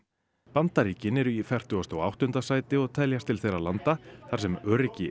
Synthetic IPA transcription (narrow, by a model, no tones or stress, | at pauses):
pant̪aɾiːcɪnɛɾʏifɛr̥t̪ʏɣast̪awa̰wht̪ʏnt̪asaːjt̪ɪɔɣt̪ʰɛljast̪ʰɪlθejɾalant̪aθaɾ̥sɛmœːɾɪcɪ